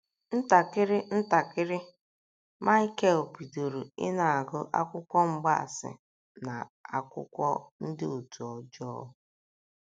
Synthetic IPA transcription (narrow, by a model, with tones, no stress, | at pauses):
n̩˦ta˨kɪ˦ɾɪ˦n̩˦ta˨kɪ˦ɾɪ˦ | ma˦ke˦o˨pi˨do˨ɾu˨ɪ̰˦na˨a˨ɡʊ˦ʔa̰˦kʷʊ˦kʷɔ˦ŋ͡m̩˦ɡ͡ba˦˨sɪ̰˨ | na˨a̰˨kʷʊ̰˦kʷɔ˦n̩˦dɪ˦o˨tu˨ɔ˨d͡ʒɔ˦ʊ˨˦